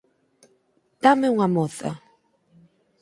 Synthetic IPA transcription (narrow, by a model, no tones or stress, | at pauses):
t̪ameuŋamoθa̰